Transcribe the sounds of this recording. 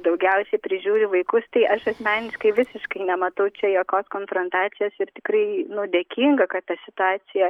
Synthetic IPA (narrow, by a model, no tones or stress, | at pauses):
d̪ɐʊɡʲɛʊsʲɛɪpʲɾʲɪʒʲuːɾʲʊʋɐɪkʊst̪ɐɪʔɐʃɐsʲmʲæːnʲɪʃkɐɪʋʲɪsʲɪʃkɐɪnʲɛmɐt̪ɐʊt͡ʃʲɛjoːkʲoːskoːnfɾont̪ɑːt̪sʲɪjoːsɪɾt̪ʲɪ̥kɾɐɪnʊd̪ʲeːkʲiːŋɡɐkɐt̪t̪ɐsʲɪt̪ʊɑːt͡s̪ʲɪjɛ